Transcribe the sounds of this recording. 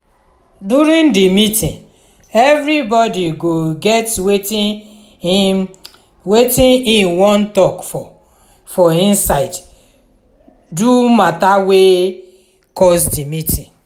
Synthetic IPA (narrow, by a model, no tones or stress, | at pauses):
duɾĩndimitĩn | ɛvɾibɔdiɡoɡɛtwei | wetĩnĩnwɔ̃ntɔkfɔ | fɔĩnsaɪd | dumatawe | kɔs̬dimitĩn